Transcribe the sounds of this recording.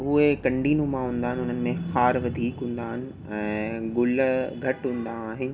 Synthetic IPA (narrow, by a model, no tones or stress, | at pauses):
ʊɦekɐ̃ɳɖʱiːnũmãɦũːnd̪aːɦɪnɪʊn̤ənɪ̆mẽxaːɾʋɐd̪ʱiːkɦũːn̆d̪aːɦɪnɪ̆ | ɛ̃ːɡʊlɡʱɐʈɦũːn̆d̪aːɦɪnɪ̆